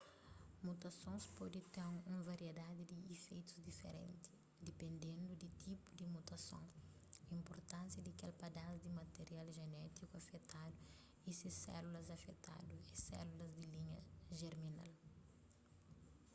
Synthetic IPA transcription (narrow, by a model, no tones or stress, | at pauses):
mut̪ɐsõnspɔd̪it̪ẽŋũvaɾied̪ad̪id̪iːfejt̪u̥zd̪ifḛɾḛ̃nt̪i̥ | d̪ipẽnd̪ẽnd̪ud̪it̪ʰipud̪imut̪ɐsõ̰ŋ | ɐĩmpoɾt̪ãnsjɐd̪ikɛlpad̪azd̪imɐt̪eɾialʒenɛt̪ikuɐfɛt̪ad̪u | isisɛ̰lulɐzɐfɛt̪a̰d̪uɛsɛ̰lulɐzd̪iliɲɐʒeɾmina̰l